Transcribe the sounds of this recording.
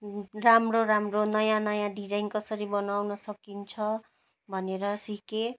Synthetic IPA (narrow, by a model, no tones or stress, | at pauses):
ramroɾamronʌjãnʌjãɖid͡zajnkʌsʌɾibʌnawnʌsʌkint͡sʰʌ | bʱʌneɾʌsike